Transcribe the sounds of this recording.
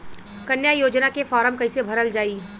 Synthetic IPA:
kɐnjajoːd͡ʒnakefɔːɾəmkɐɪsebʱɐɾəld͡ʒaːiː

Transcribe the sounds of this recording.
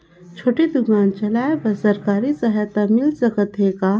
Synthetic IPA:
t͡ʃʰoːʈed̪ʊɡaːnt͡ʃɐlaːebɐsɐɾkaːɾisɐɦɛt̪amɪlsɐkət̪ʰeka

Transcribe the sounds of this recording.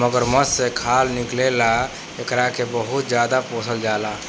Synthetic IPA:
məɡəɾməssekʰalniklela | ekɾakebəɦut̪̚d͡ʒjad̪aposʰəld͡ʒala

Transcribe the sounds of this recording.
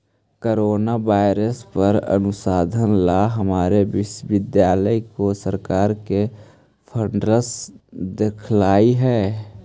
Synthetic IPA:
koːɾoːnaʋaːɪɾəspəɾə̰nʊsaːd̪ʱənlaɦəmaːɾeʋɪʃʋɪd̪jaːləikosəɾkaːɾke | pʰəɳɖɾəsd̪ekʰlaːiɦɛː

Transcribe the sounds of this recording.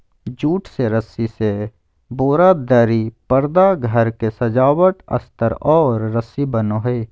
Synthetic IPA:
d͡ʒuːʈseɾəsise | boːɾad̪əɾipəɾd̪aɡʱəɾkesɐd͡ʒaːwəʈ̪ə̰st̪əɾɔːɾːəsibənoɦeː

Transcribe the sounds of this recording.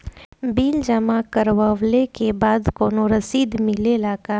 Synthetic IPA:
biːld͡ʒəmakəɾwəʋlekebaːd̪koːnoɾəsiːd̪mɪlelaːka

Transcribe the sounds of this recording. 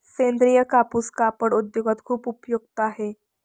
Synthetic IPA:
send̪ɾijəkapuskapəɽud̪joɡat̪kʰuːpupjuɡ̚t̪aɦe

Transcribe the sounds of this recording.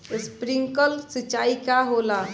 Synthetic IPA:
spɾiŋkəlsət͡ʃːaːikaɦola

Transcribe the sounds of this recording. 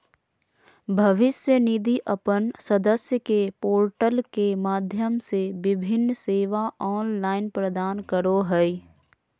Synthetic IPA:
bʱɐʋɪsjənid̪iʔəpənsəd̪əsjəkepoːɾʈəlkemaːd̪ʱjəmseʋɪbʱɪnːseːʋaʔɔːnlaːɪnpɾəd̪aːnkəɾoɦɛi

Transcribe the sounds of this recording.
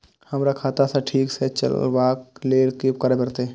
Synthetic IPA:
həmɾakʰaːt̪asaʈʰiːkset͡ʃə̰lwaːkleːɾkip̚kəɾebəɾt̪e

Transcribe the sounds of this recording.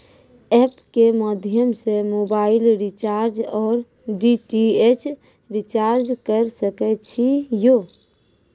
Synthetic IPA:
ɛːpkeməd̪ʱjəmsemoːbaːɪlɾit͡ʃaːɾd͡ʒɔːɾ | ɖiʈiet͡ʃ | ɾɪt͡ʃaːɾd͡ʒkəɾsəkɛt͡ʃʰijoː

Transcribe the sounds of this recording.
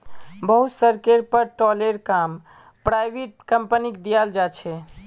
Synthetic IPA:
bəɦut̪səɾkeɾpəɾʈɔleɾkam | pɾajbeʈ̚kəmpənikd̪ijald͡ʒat͡ʃʰɛ

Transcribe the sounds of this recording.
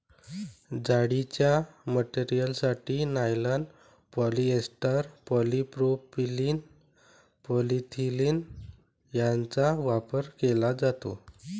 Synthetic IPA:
d͡zaɽit͡ɕjaməʈiɾijəlsaʈiːnajlaɳɖ | pɔliesʈəɾpɔlipɾopilin | pɔlit̪ʰiliːn | jãnt͡saʋapəɾkelad͡zat̪o̰

